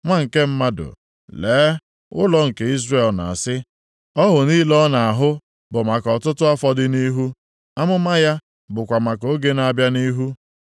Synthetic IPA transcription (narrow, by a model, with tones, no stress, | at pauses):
ŋʷa˦ŋ̩˨ke˦m̩˦ma˦dʊ̰˨ | leː˨˦ | ʊ̰˦lɔ˦ŋ̩˨ke˨i˦zre˨lna̰˨a˨sɪ˦ | ɔ˦ɦʊ˨niː˦lɔ˦na˨a˨ɦʊ˦ | bʊ˨ma˨kɔ˨tʊ˦tʊ˦a˦fɔ˦dɪ˦ni˦ɦu˦ | a˦mʊ˦ma˦ja˦ | bʊ˨kʷa˨ma˨ko˦ɡe˦na˦bja˦ni˦ɦu˦